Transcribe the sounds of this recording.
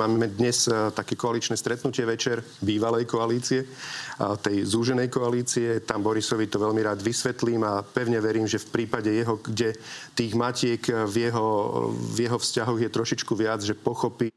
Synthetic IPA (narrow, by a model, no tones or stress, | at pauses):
aːɛd̪ɲɛst̪akɛːkɔalit͡ʃnɛːst̪ɾɛt̪nucɪɛʋɛt͡ʃɛɾ | biːʋalɛjkɔaliːt͡siɛ | t̪ɛjzuːʒɛnɛjkɔaliːt͡siɛt̪ambɔɾisɔʋit̪ɔʋɛʎmiɾaːd̪ʋisʋɛt̪liːmapɛʊɲɛʋɛɾiːmʒɛfpɾiːpaɟɛjɛɦɔɡɟɛt̪iːɣmacɪɛkvjɛɦɔvjɛɦɔfscaɦɔɣjɛt̪ɾɔʃit͡ʃkuʋɪad͡zʒɛpɔxɔpi